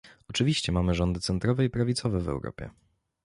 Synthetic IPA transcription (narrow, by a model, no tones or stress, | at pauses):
ɔt͡ʂɘvʲiɕt͡ɕɛmamɘʐɔnd̪ɘt̪sɛnt̪ɾɔvɛipɾavʲit̪sɔvɛvɛ̰wɾɔ̰pʲjɛ̰